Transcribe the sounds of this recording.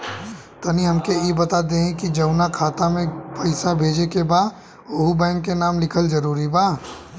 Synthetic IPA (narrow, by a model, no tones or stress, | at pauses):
t̪ɐniɦɐmkejebɐt̪ad̪eːɦɛ̃kid͡ʒɐʊnakʰaːt̪amẽpʰɐɪsabʱeːd͡ʒekebaːd̪ | oɦubɛ̃ːŋkːenaːmlɪkʰəlzɐɾuːɾibaː